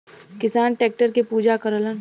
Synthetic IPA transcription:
kɪsaːnʈɛːk̚ʈəɾkepuːd͡ʒakəɾələn

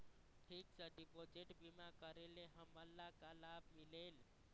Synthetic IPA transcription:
ʈʰiksəɖipod͡ʒiʈbimakəɾeleɦəməlːakalabmilel

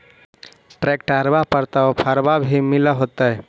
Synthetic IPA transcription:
ʈɾekʈaɾbapəɾt̪aɔpʰəɾbabʱimiləɦot̪ə

